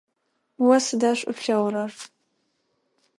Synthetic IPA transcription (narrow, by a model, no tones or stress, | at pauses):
wɐsɨdaːɕʷʼʊ̰pɬɐwɾɐr